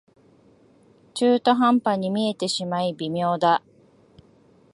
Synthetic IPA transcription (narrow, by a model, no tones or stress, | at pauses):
t͡ɕɨːt̪oɦãmpaɲ̟imʲie̞t̪e̞ɕimaibʲimʲjo̞ːd̪a